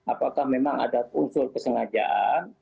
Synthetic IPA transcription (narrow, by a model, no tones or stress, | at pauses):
apakahmemaŋa̰dakunsʊlkəsəŋad͡ʒa̰ʔan